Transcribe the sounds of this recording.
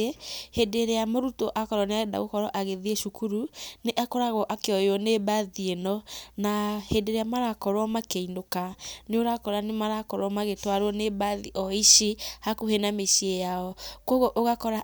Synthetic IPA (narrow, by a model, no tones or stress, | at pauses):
ehedeɾeamoɾutoʔakɔɾɔneaɛda̰ɣokɔɾɔʔaɣeðieʃukuɾuneʔakɔɾaɣɔʔakeɔjɔnebaðienɔnahedeɾeamaɾakɔɾwɔmakeinokaneoɾakɔɾanemaɾakɔɾwɔmaɣetwaɾwɔneβaðiʔɔiʃihakuhenameʃiejaɔkoɣoʔoɣakɔɾa